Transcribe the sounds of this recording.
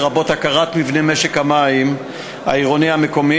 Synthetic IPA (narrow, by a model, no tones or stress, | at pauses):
ʁabo̞t̪hakaʁat̪mivne̞meʃekhamaim | a̰iʁonihame̞ko̞mi